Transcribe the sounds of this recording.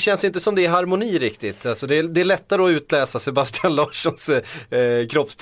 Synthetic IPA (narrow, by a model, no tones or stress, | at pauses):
ɕɛnsɪnt̪əsɔmd̪ɛæɾɦaɾmʊniːɾɪkt̪ɪt̪ːalsɔd̪ɛːd̪ɛæɭɛt̪ːaɾəɔʉ̟ːt̪lɛːsasɛbast̪ɪanlɑːʂɔns | kʰɾɔpsp